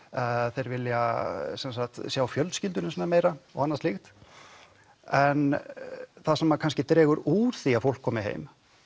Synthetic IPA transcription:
θejɾvɪlːjasɛnsaxt̪sawawfjœlt̪scɪlt̪ʏnɪmsɛnameːjɾaɔɣanːast̪lixt̪ | ɛn | θasɛmakʰanscɪt̪ɾɛːɣʏɾuɾ̥θiafowl̥kʰːɔːmɪɦḛːjm

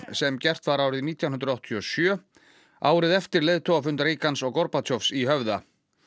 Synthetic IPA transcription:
sɛmcɛr̥t̪vaɾaːwɾɪðniːt̪jaw̪ɦʏnt̪ɾawht̪ʰiɔsjœː | aːwɾɪðɛft̪ɪɾleːðt̪ʰɔwafʏnt̪ɾeːjkansɔɣkɔɾpat̪ʰjɔfsiɦœvða

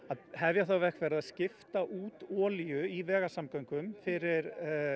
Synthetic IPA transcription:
aðhɛvjaθawvɛhkvɛɾðaðscɪft̪aʔuːt̪ɔːljʏivɛːɣasamkœɥŋkʏmfɪɾɪɾ

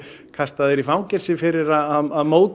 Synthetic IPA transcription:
kʰast̪aðɪɾifawŋcɛɾ̥sɪfɪɾɪɾaðaðaðmoːwt̪

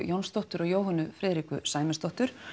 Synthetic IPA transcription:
jownst̪ɔwht̪ʏɾɔɣjoːwɦanʏfɾɪːðɾikʏ̰saːjmɪst̪ɔht̪ʏɾ̥

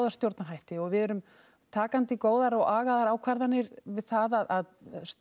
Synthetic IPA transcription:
wðḁst̪jowɾt̪naɦajht̪ɪɔɣvɪðɛɾʏm | t̪ʰaːkant̪ɪkoːwðaɾɔɣaːɣaðaɾaːwkʰvaɾðanːɪɾvɪðθaðaðaðs

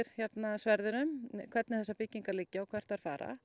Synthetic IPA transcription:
ɾ̥çɛt̪nasvɛɾðʏɾʏmkʰv̥ɛɾt̪nɪθɛsːapɪcːiŋkalicːaɔwkʰvɛr̥t̪aɾ̥fa̰ːɾa̰

